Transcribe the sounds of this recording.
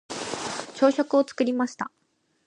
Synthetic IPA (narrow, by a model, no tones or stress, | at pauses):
t͡ɕo̞ːɕo̞kɯ̟o̞t͡sɨ̥kɯ̟ɾʲimaɕi̥t̪a